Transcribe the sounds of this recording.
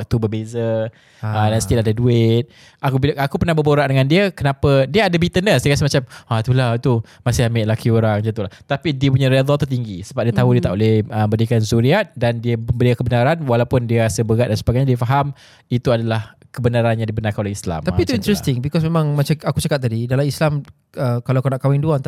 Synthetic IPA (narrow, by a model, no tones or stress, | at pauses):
t̪ubəbezə | ədansət̪iladaduɪt̪̚ | akuilakupərnahbəboɾaʔdəŋandiəkənapədiəadabit̪ənəsəjəkas̬əhmat͡ʃamat̪ulat̪u | masɪhamɪʔlakioɾaŋd͡ʒat̪ulaht̪apidiəp̬uɲaɾiad̪ˤɔt̪ut̪iŋɡisəbap̚diət̪aɦudiət̪aʔolɛhəmbədikanzuɾiat̪̚dandiəməmbəliakəbənaɾanwalawpʊndiəɾasəbəɡaʔ̪̚dansəbaɡajɲadiəfaɦam | it̪uadalah | kəbənaɾanjaŋdibənarkanolehisla̰mt̪ait̪uint̪ɾɛst̪ɪŋbikɔs̬memãŋmat͡ʃaakut͡ʃakat̪̚ːadidalamislam | əkalaakanaʔkawɪŋduant̪